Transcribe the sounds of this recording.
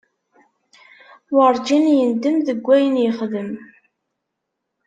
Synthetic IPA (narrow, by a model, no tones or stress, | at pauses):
wɑɾˤd͡ʒinjənd̪əmðəɡʷːæjənjəχðəm